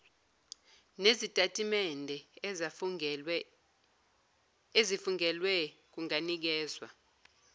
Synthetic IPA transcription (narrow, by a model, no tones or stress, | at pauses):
nezitʼatʼimɛndʱɛ | ezifuŋɛlwɛk̬uŋanik̬ɛːzwa̰